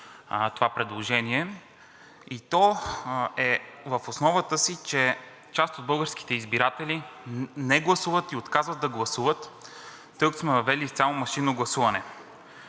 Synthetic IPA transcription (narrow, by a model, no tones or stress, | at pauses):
t̪ovapɾɛd̪lˠoʒɛniɛ | it̪ɔ | ɛvəfosnɔvət̪əsit͡ʃɛ | t͡ʃast̪od̪̚bɤlˠɡəɾski̥t̪ɛizbiɾat̪ɛlinɛɡlˠɐsuvət̪iot̪kazvəd̪ɐɡlˠɐsuvət̪ː | ɤksmɛvɐvɛlift̪sʲamomɐʃinoɡlˠɐsuvɐnɛ